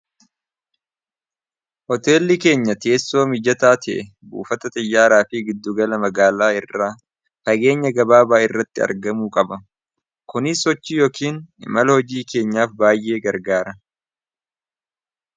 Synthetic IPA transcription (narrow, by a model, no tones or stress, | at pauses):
hɔt̪e̞ːlːɪke̞ːɲːɐt̪e̞ːsːo̞ːmɪd͡ʒɐt̪aːt̪ɪʔɛ | bṵːfɐt̪ɐt̪ʼɪjːaːɾaːfiːɡɪd̪ːʊɡɐlɐmɐɡaːlaːɪrːaː | fɐɡe̞ːɲːɐɡɐbaːbaːɪrːɐt̪ːɪɐ̰ɾɡɐmuːkʼɐbɐ | kʊnɪsːɔt͡ʃːiːjoːkʰiːnɪ̰mɐlɐhɔd͡ʒiːke̞ːɲːaːfbaːjʔe̞ːɡɐɾɡaːɾɐ